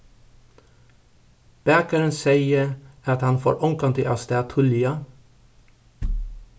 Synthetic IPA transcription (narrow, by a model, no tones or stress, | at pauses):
b̥æːkəɾənseɪəɑt̪hɑnfo̰ːɹʔɔŋkɑnt̪ʰɪʔɑst̪ɛɑt̪ʰʊlɪɑ